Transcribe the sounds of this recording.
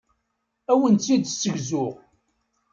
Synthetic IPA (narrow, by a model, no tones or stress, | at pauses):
æwənt͡sːid̪sːəʝzʊʁ